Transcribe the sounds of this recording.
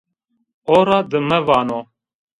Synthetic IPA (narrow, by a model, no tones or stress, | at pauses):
oːɾɑd̪əmɛvɑːno